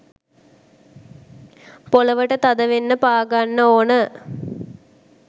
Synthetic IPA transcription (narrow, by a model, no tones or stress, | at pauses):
poləʋəʈət̪ad̪əʋenːəpaːɡanːəoːnə